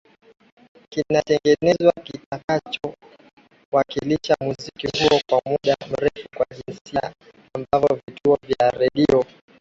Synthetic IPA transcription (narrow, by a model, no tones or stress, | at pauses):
kinatɛŋɡɛnɛzwakitakat͡ʃɔ | wakiliʃamuzikihuɔkwamuɗam̩ɾɛfukwaʄinsia | ambavɔvitʰuɔvjaɾɛɗiɔ